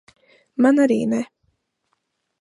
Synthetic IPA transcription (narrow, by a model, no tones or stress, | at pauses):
manaɾḭːnɛ